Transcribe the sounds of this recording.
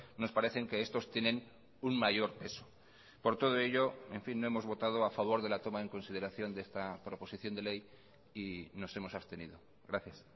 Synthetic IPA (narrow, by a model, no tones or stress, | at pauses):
no̞spaɾe̞θe̞ŋkeest̪o̞st̪je̞nẽ̞n | uŋmaʝo̞ɾpe̞so̥ | po̞ɾt̪o̞ð̞oe̞ʎo̞e̞ɱfinːo̞emozβo̞t̪að̞oafaβ̞o̞ɾð̞e̞lat̪o̞maeŋko̞nsið̞e̞ɾaθjo̞nd̪eest̪apɾo̞po̞siθjo̞nd̪e̞le̞j | ino̞se̞mo̞sast̪e̞nḭðo̞ | ɡɾaθjas